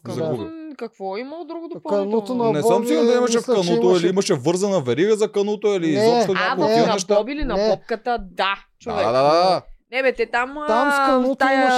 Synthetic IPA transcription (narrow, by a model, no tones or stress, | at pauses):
zɐɡuikɐkvɔimɐlˠod̪ɾuɡod̪opɐnɛsəmsiɡod̪ɐimɐʃ̬ɛfkɐnot̪oɛliimɐʃɛvɤɾzɐnɐvɛɾiɡəzɐkənot̪oɛlizɔpʃt̪onʲakoinɐɛʃt̪ɔbilinɐbɔp̚kət̪əd̪at͡ʃovaɛd̪ad̪anɛbɛt̪ɛt̪amaɐt̪aj